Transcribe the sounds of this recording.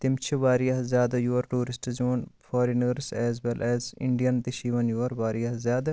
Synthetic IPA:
t̪imt͡ʃʰiʋaːɾijɐɦzʲjaːd̪ɐjuːɐɾʈuːɾisʈzuːnfaːɾinəɾsɛːzʋelʔɛːzḭɳɖijɐnt̪iʃiːʋɐnjuːɐɾʋaːɾijɐɦzjaːd̪ɐ

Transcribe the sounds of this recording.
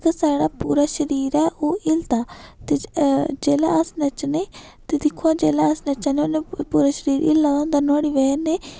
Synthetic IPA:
kəsaːɽaːpuːɾaːʃəɾiːɾɛːʔoːʔɪlt̪aːt̪ed͡ʒeːlaːəsnət͡ʃneː | t̪eːd̪ɪkʰoːad͡ʒeːlaːəsnət͡ʃaːneoneːpuːɾaːʃəɾiːɾʔɪ̰lːaːd̪õːnd̪aːnɔːɽiːʋɛːneː

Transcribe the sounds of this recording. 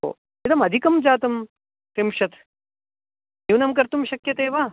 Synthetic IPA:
o̰ | it̪ɐmɐd̪ʱikɐmd͡ʒaːt̪ɐm | t̪imʃɐt̪ | nuːnɐmkɐɾt̪umʃɐkjɐt̪eːʋaː

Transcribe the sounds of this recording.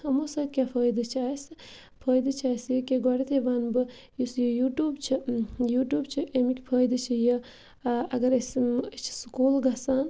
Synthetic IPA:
hɐmosɐːt̪̚ʲkʲaːpʰəːjd̪ɨt͡ʃʰaːisɨ | pʰəːjd̪ɨt͡ʃʰaːsjikʲeɡɐɽit̪ʰeʋaːnbɨ | jusjəjuːʈuːbt͡ʃʰijuːʈjuːbt͡ʃʰiʔemikʲpʰəːjd̪ɨt͡ʃʰijə | ɐɡɐɾest͡ʃʰi̥skuːlɡɐsaːn

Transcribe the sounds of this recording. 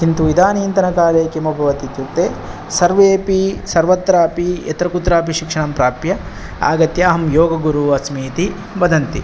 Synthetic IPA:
kint̪uʋid̪ʱaːniːnt̪ɐnɐkaːɾeːkemɐbʱɐʋɐt̪it̪juɾt̪eː | sɐɾʋeːpisɐɾʋɐt̪ɾaːpiɐ̰t̪ɾɐkut̪ːɾaːpiʃikʂɐɳɐmpɾaːpjɐ | a̰ːɡɐt̪jɐːɦɐmjoːɡɐɡuɾuɐsmiːt̪i | bɐd̪ʱɐnt̪i

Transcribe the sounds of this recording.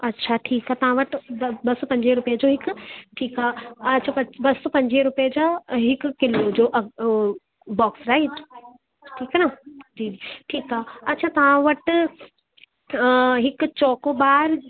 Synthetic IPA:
ɐtːʃʰaʈʰiːkɦat̪ɐɦãʋɐʈbɐsopɐ̃ɲd͡ʒeɾʊpjed͡ʒoɦɪkʈʰiːkɦaːɐtːʃʰapɐbɐsːopɐ̃ɲd͡ʒeɾʊped͡ʒaɦɪkːɪlod͡ʒoːʔɐ | bɔːksɾaːi | ʈʰiːkɦanad͡ʒiːiʈʰiːkɦaɐtːʃʰat̪ɐʋãʋɐʈ | ɦɪkt͡ʃɔːkobaːɾ

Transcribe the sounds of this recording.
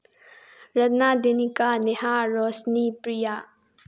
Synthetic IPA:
ɾɐt̪nad̪enikaneɦaɾɔsnipɾija

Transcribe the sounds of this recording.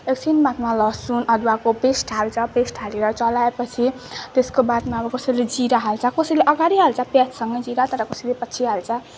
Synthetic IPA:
eksʰinbat̪malʌsunʌd̪uwakopesʈʰalt͡sʰʌpesʈʰaleɾʌt͡sʌlaepʌt͡sʰit̪eskobat̪maʌbʌkosʌled͡ziɾaɦalt͡sʰʌkosʌjleʔʌɡaɾiɦalt͡sʰʌpjat̪sʌŋɡʌd͡ziɾat̪ʌɾʌkosilepʌtːt͡sʰiɦalt͡sʰʌ

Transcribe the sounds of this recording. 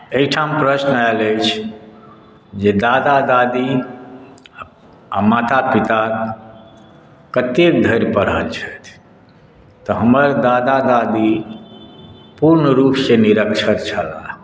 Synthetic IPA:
ekʈʰampɾəsnaeləjt͡ʃʰ | d͡ʒed̪ad̪ad̪ad̪i | amat̪apit̪a | kət̪ek̚d̪ʱəɾpəɽ̤əlt͡ʃʰət̪ʰ | t̪ɔɦəməɾd̪ad̪ad̪ad̪i | puɾnəɾupseniɾəkt͡ʃʰət̪t͡ʃʰəla̰

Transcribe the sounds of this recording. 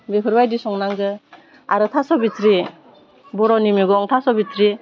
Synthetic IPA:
bepʰɯɾbajdisɔŋnaŋɡɯ | a̰ɾɯtʰasɔbitɾi | bɔɾɔnimiɡɔŋtʰasɔbitʰɾi

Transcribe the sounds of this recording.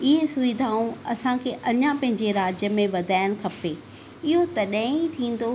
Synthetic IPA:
ɪɦesʊʋid̪ʱaːũɐsãkʰeːʔɐɲãpɐ̃ɦɪ̃ɲd͡ʑeɾaːd͡ʑjəmẽʋɐd̪ʱaːjɪəñ̆kʰɐpe | ɪɦot̪ɐɗãit̪ʰĩːn̆d̪o

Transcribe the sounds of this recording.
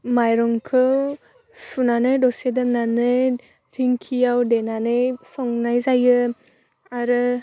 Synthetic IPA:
majɾɔŋkʰɯw | sunanɯjdɔsedɯnanɯj | ɾiŋkʰijawdenanɯjsɔŋnajzajɯ | aɾɯ

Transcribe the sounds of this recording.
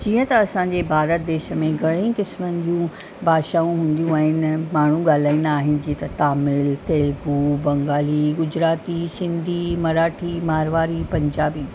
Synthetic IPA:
d͡ʑiːə̃t̪ɐɐsãːɲd͡ʑeːbʱaːɾət̪̚d̪eːʃəmẽɡʱɐɽ̃ĩːkɪsmənɪ̆d͡ʑũː | bʱaːʃaːũɦũːn̆d̪ijũaːɦɪnɪmaːɳ̤ũɡaːl̤aːĩːnd̪aːɦɪnɪ̆d͡ʑĩːt̪ɐt̪aːmɪlt̪eːlɡuːbɐ̃ŋɡaːliɡʊd͡ʑɾaːt̪isɪ̃nd̪ʱimɐɾaːʈʰimaːɾʋaːɾipɐ̃ɲd͡ʑaːbiː

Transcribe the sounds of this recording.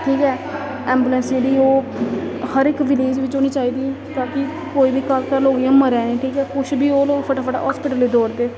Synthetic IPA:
ʈʰiːkɛː | ɛːmbuːlənsd͡ʒeːɽiːoː | həɾɪkʋɪleːd͡ʒʋɪt͡ʃoːniːt͡ʃaːiːd̪iːt̪aːkɪ | koːiːbiːkəlkəɾloːiãːməɾɛːnẽːʈʰiːkɛːkʊʃʰbʱiːoːloːpʰəʈaːpʰəʈa̰ːɦɔːspɪʈəlːiːd̪oːɾd̪eː

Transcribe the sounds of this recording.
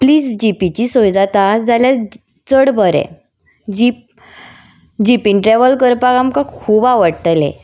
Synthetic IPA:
pliːsd͡ʑipit͡ɕisojd͡zat̪ad͡zalja | t͡səɽbʱəɾɛ̰ | d͡ʑip̚ | d͡ʑipinʈɾɛʋəlkəɾpaɡamkãkʰuːbaʋəɽt̪lḛ̃

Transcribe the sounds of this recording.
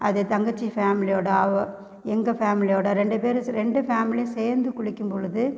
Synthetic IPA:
ɐðet̪ɐŋɡɐt͡ʃːifaːmɪlɪjoːɽaːʋɐ | ɛŋɡɐfaːmɪlɪjoːɽaɾɛɳɖɯpeːɾɾɛɳɖɯfaːmɪlɪseːɾnd̪ɯkʊɻɪkʲːɯmpɔɻɯðɯ

